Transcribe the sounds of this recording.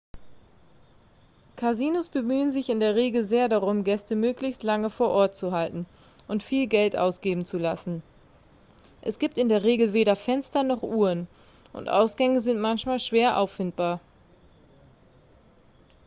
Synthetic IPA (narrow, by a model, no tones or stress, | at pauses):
kʰaziːnosb̥əmyːənzɪçɪndeːɐʁ̞eːɡl̩zeːɐdaʁʊmɡɛstəmøːklɪçstlaŋəfoːɐʔɔɐt̚t͡suɦaltn̩ | ʔʊntfiːlɡɛltʔa̰ʊsɡ̥eːbm̩t͡sulasn̩ | ʔɛsɡ̥iːp̚tɪndeːɐʁ̞eːɡl̩veːɾɐfɛnstɐnɔχʔuːʁən | ʔʊ̰ntʔa̰ʊsɡ̥ɛŋəzɪntmançmaːlʃv̥eːɐʔa̰ʊfːɪntb̥aːɐ